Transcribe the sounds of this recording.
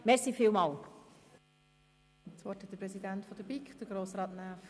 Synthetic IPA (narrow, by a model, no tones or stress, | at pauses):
mɛɾsiːfiːlmɑːl | t͡sʋɔɾthɛt̚d̥̪əpɾɛsidænt̪fɔd̥əɾbikχd̥̪əɾɡɾoːsɾɑːtnæːf